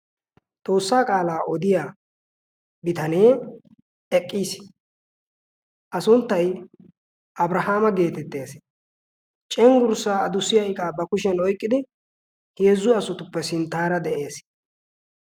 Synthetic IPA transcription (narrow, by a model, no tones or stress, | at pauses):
t̪ʼo̞ːsːaːkʼaːlaːʔɔd̪ɪjaː | bɪt̪ɐneː | ɛkʼːiːs | ʔɐsʊnt̪ːɐj | ʔɐbɾɐhaːmɐɡe̞ːt̪ɛt̪ːe̞ːs | t͡ʃʼɛŋɡʊɾsːaːɐd̪ʊsːɪjɐjɪkʼaːbɐkʊʃ̬ɛnɔjkʼːɪd̪ɪ | heːzːʊɐsʊt̪ʊpːɛsɪnt̪aːɾɐd̪ɛʔe̞ːs